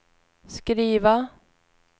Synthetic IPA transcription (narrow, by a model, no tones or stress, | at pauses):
skɾiːva